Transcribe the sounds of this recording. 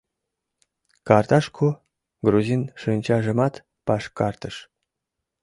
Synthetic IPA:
kɑrt̪ɑʃkʰu | ɡruzʲinʃɨnʲt͡ɕɑʒə̆mɑt̪ | pɑʃkɑrt̪əʃ

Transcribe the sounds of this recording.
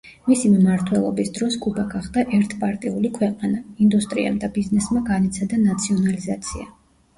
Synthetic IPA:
misimmaɾt̪ʰwɛlˠɔ̰bisd̪ɾɔskʼubaɡaχd̪aʔɛɾt̪ʰpʼaɾt̪ʼiulikʰwɛqʼanaind̪ust̪ʼɾḭa̰md̪abiznɛsmaɡanɛt̪sʰad̪anat̪sʰiɔnalizat̪sʰia̰

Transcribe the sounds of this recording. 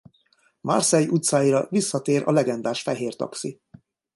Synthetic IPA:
mɒ̰rsɛjʔut̪saːjiɾɒvisːɒt̪eːɾʔɒ̰lɛɡɛnd̪aːʃfɛɦeːrt̪ɒ̰ksi

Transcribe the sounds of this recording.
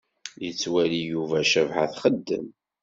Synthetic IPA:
jət͡sːwælijuvæʃəvħa̰θχəd̪ːə̰m

